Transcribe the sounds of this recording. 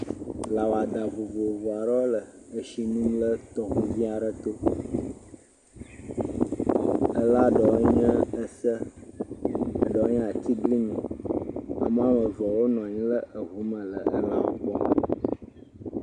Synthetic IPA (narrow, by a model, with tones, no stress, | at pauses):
la˨wa˨d̪a˨vo˨vo˨vɔ˨a˨ɖə˦o˦lə˨ə˨ʃi˨nũ˦mlə˦t̪ɔ˨ɣu˦vĩ˦a˨ɖə˦t̪o˦ | ə˦la˦ɖɔ˨˦ɲɛ̃˦ə˦sə˦˨ | ɖɔ˨˦ɲ˦a˨t̪i˦ɡli˦mĩ˨ | a̰˨m˦ã˦mə˨vɔ˨wo˦nɔ̃˨ɲĩ˦lə˦ə˨ɦu˨˦mə̃˨lə˨ə̰˦l̃ã̰˨wo̰˦k͡pɔ˦˨